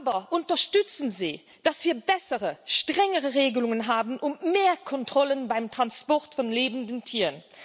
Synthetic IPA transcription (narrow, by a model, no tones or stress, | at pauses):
abɐʔʊntɐʃtʏt͡sənziː | d̥asv̥iːɐbɛsəʁəʃtʁ̥ɛŋəʁəʁeːɡəlʊŋənɦaːbnʔʊmmeːɐkʰɔntʁ̥ɔlənbaɪmtʁ̥anspɔʁtfɔnleːbn̩dəntʰiːʁən